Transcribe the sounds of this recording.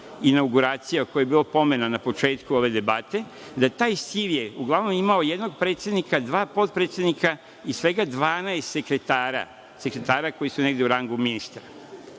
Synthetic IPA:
inawɡuɾaːt̪sijakojejebiːlopo̞me̞nanapo̞t͡ʃe̞ːt̪kuo̞ʋe̞d̪e̞bat̪e̞ | d̪at̪aːjst̪iʋjeuɡlˠaʋnomimao̞je̞d̪no̞ɡ̚pɾet̪sjed̪nikad̪ʋaːpo̞t̪̚pɾet̪sjed̪nika | isʋe̞ɡad̪ʋaːnaest̪sekɾet̪aːɾa̰ | se̞kɾet̪aːɾako̞jisune̞ɡd̪e̞uɾaŋɡuminist̪ɾa

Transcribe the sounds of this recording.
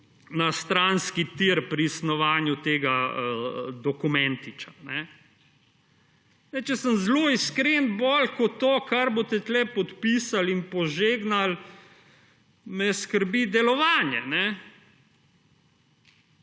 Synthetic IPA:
nast̪ɾanskit̪iɾpɾiːsnɔʋaːnjut̪eːɡaəd̪ɔkumɛnt̪it͡ʃḁnɛ | ɛt͡ʃɛsəmzloiskɾenbɔlkɔt̪ːoːkaɾbot̪ɛt̪lɛpɔt̪piːsalinpɔʒeːɡnal | mɛskəɾbid̪ɛlɔʋaːnjɛnɛ

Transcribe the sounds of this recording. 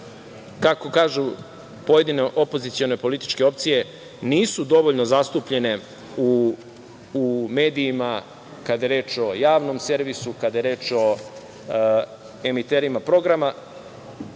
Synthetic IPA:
kako̞kaːʒu | po̞je̞d̪ine̞ʔo̞po̞zit̪sio̞ne̞po̞lit̪i̥t͡ʃke̞o̞p̚t̪sije̞ | niːsud̪o̞ʋo̞ʎnozast̪uːpʎe̞ne̞ | u | me̞ːd̪iːma | kad̪ajeɾe̞ːt͡ʃo̞jaːʋno̞mse̞ɾʋisukad̪ajeɾeːt͡ʃo̞ | e̞mit̪e̞ːɾimapɾo̞ɡɾama

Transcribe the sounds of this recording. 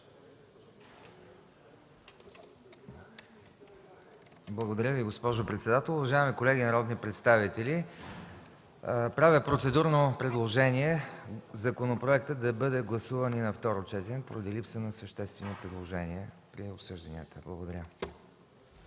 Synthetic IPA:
blˠəɡod̪ɐɾʲəviɡospɔʒopɾɛt̪sɛd̪at̪əlˠʊvɐʒaɛmikolɛɡʲinɐɾɔd̪nipɾɛt̪st̪avit̪ɛli | pɾavʲəpɾot̪sɛd̪uɾnopɾɛd̪lˠoʒɛniɛzɐkonopɾoɛk̚t̪əd̪ɐbɤd̪ɛɡlˠɐsuvəninɐft̪ɔɾot͡ʃɛt̪ɛnʲɛkpoɾəd̪ilipsənɐsəʃt̪ɛst̪vɛnopɾɛd̪lˠoʒɛniɛpɾiopsɤʒd̪ɐniət̪ʰəblˠɐɡod̪ɐɾʲə

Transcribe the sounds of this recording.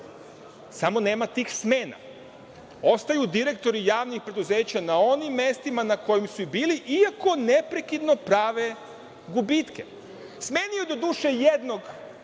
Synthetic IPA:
samo̞ne̞ːmat̪iːxsme̞ːna̰ | o̞st̪ajud̪iɾe̞k̚t̪o̞ɾijaːʋnixpɾe̞d̪uze̞ːt͡ɕanao̞nimːe̞st̪imanako̞jimsuibiːliʔiako̞ne̞pɾe̞kid̪no̞pɾaːʋe̞ | ɡubit̪ke̞̰ | sme̞ːnijud̪o̞d̪uːʃejed̪no̞ɡ

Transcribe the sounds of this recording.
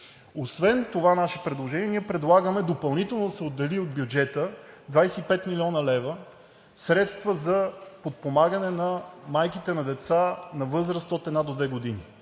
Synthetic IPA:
osvɛnt̪ovanaʃɛpɾɛd̪lˠoʒɛniɛniɛpɾɛd̪lˠaɡəmɛd̪opɐlˠnit̪ɛlˠnod̪ɐsɛod̪ːɛliod̪̚bʲjʊd͡ʒɛt̪əd̪vajsɛipɛt̪milʲiɔnəlɛvə | sɾɛt̪st̪vəzɐpot̪̚pomaɡənɛnɐmajkit̪ɛnɐd̪ɛt̪sanɐvɤzɾəst̪ot̪ɛd̪nad̪od̪vɛɡod̪ini

